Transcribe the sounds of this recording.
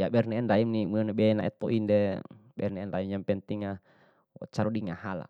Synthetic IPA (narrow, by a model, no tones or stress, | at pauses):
jabɛrnɛɛndaimnimnɛbɛna̰ʔɛ̰t̪̚pɔʔindɛ | bɛrnɛɛndaimjampɛnt̪iŋa̰ | t͡ʃaɾudiŋahala̰